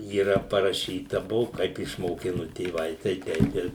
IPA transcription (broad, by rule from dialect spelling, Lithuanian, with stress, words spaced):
iːˈrɐ pɐrɐˈʃʲiːtɐ ˈbʊʋʊ ˈkɐɪp ɪʃmoːˈkʲɪnʊ tʲeːˈʋɐɪ tɐɪ ˈtʲɛɪp ɪr